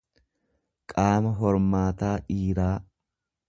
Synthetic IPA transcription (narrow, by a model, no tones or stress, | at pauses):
kʼaːmɐɦɔɾmaːt̪aːᶑiːɾaː